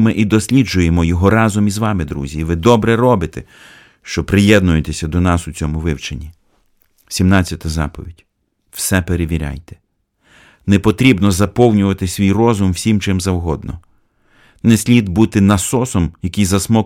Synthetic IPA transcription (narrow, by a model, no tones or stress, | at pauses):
mɪʔid̪ɔsʲlʲid͡ʒʊjemɔjɔɦɔɾɑzɔmizʋɑmɪd̪ɾṵzʲiʋɪd̪ɔbɾɛrɔbɪt̪ɛ | ʃt͡ʃɔpɾɪjɛd̪̚nʊjet̪esʲɐd̪ɔnɑsʊt͡sʲɔmʊʋɪwt͡ʃenʲːi | sʲimnɑt͡sʲːɐt̪ɐzɑ̰pɔ̰ʋʲidʲ | wsɛpeɾeʋʲiɾʲɑ̰jt̪ɛ̥ | nɛpɔt̪ɾʲibnɔzɐpɔwnʲʊʋɐt̪ɪsʲʋʲijrɔzʊmwsʲimt͡ʃɪmzɐwɦɔd̪nɔ | nɛsʲlʲid̪but̪ɪnɐsɔsɔmjɐkʲijzɐsmɔk